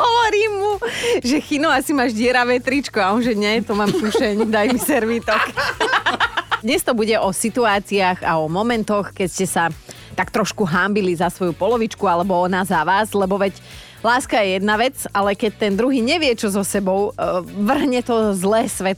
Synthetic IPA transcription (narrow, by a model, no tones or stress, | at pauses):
ɦɔʋɔɾiːmːuʒɛxinuasimaːʒɟɪɛɾaʋɛt̪ɾit͡ʃkɔaɔnʒɛɲɛɛt̪ɔmaːmkuʃɛɲd̪ajmisɛɾʋit̪ɔk | d̪ɲɛst̪ɔbuɟɛʔɔsit̪uaːt͡siaɣaɔmɔmɛnt̪ɔxkɛcscɛsa | t̪akt̪ɾɔʃkuɦambilizasʋɔjupɔlɔʋit͡ʃkualɛbɔɔnaːzaʋaːzlɛbɔʋɛc | laːskajɛjɛd̪naʋɛt͡salɛkɛc̚t̪ɛnd̪ɾuɦiːɲɛʋɪɛt͡ʃɔzɔsɛbɔʊʋr̩ɦɲɛt̪ɔzlɛːsʋɛt̪